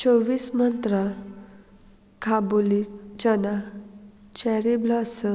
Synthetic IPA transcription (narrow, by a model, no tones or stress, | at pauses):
t͡ɕoʋiːsmənt̪ɾa | kʰabolid͡ʑana | t͡ɕɛɾiblɔsə